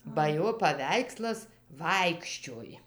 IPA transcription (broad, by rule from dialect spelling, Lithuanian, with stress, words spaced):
bɐ ˈjoː pɐˈʋʲɛɪkslˠɐs ˈʋɐɪkʃʲt͡ʃʲoːj